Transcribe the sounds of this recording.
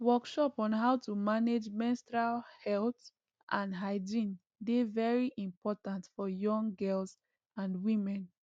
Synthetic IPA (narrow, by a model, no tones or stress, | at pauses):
wɔkʃɔpɔ̃nɦaʊtumaned͡ʒmɛ̃nstɹalhɛlt | ʔãndɦaɪd͡ʒĩn | devɛɹiʔĩmpʰɔtãntfɔjɔ̃ŋɡɛls | ãnwĩmɛ̃n